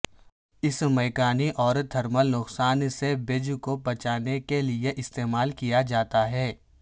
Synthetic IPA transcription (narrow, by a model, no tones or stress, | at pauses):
ɪsmɛːkaːniʔɔːɾd̪ʱɐɾməlnʊqsaːnsebɪd͡ʒkobɐt͡ʃaːnekelieʔɪst̪eːmaːlkijad͡ʒaːt̪aɦɛː